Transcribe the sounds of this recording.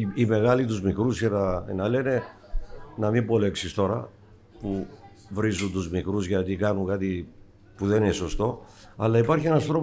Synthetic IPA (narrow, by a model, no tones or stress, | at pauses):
ime̞ɣɐlit̪uzmikɾusçenɐnɐle̞ne̞ | nɐmimbo̞le̞ksist̪o̞ɾɐ̰ | pu | vɾizundt̪uzmikɾuzʝɐt̪ikɐnuŋkɐt̪i | puðe̞nineso̞st̪o̞ɐlɐipɐɾçie̞nɐst̪ɾo̞